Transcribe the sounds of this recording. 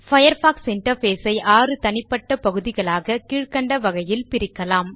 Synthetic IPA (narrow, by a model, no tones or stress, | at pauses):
fɐjɐɾfaːksɪɳʈɐɾfeːsɐɪʔaːrɯt̪ɐnɪpːɐʈːɐpɐɣɯðɪɣɐɭaːɣɐkiːɻkɐɳɖɐʋɐɣɐjɪlpɪɾɪkːɐlaːm